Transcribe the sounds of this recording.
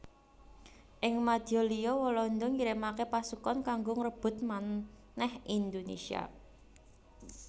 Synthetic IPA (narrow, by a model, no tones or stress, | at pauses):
ʔɪŋmad̪̥jɔlijɔwɔlɔnd̪ɔŋiɾemakepasukɔnkaŋɡoŋəɾəb̥ʊ̤t̪̚man | nɛhind̪onḛsia̰